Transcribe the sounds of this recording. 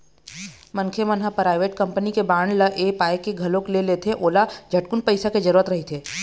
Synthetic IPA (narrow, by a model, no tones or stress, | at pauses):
mɐŋkʰemənɦapɾaːɪʋeːʈkɐ̃mpənikebaːɳɖlɐʔeːpaːekeɡʱɐlõklelet̪ʰeʔoːlad͡ʒʱɐʈkʊnpəɪsaked͡ʒɐɾuːɾət̪ɾɐɦit̪ʰeː